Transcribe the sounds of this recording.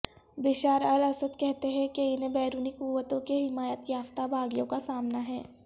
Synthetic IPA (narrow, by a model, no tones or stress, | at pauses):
bɪʃaːɾɐlɐsəd̪kɛɦt̪eɦɛ̃keɪnẽbɛːɾuːnikuːʋət̪õkeɦɪmaːjət̪jaːft̪abaːɡjõkasaːmnaɦɛː